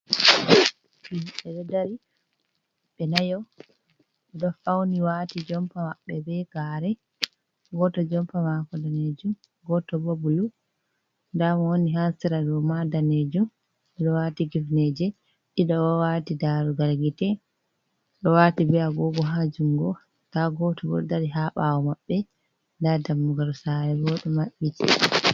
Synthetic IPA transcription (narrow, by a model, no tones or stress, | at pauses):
iɓɛɗɛdaɾi | ɓɛnajɔ | ɛɗɔfawniwatid͡ʒɔmpamaɓːɛbɛɡ̥aːɾɛ | ɡɔtɔd͡ʒɔmpamakɔdaned͡ʒum | ɡɔtɔbobulu | ndamwoniɦasiɾadɔmadaned͡ʒum | ɛɗɔwatiɡifnɛd͡ʒɛ | ɗiɗɔwɔwatidaɾuɡaɾɡitɛ | ɗɔwaːtibɛaɡɔɡɔɦad͡ʒuŋɡɔ | taɡɔtɔbɔ̰daɾiɦaɓawɔmaɓːɛ | ndadamːuɡaɾsaɾɛbɔɗɔmaɓitḭ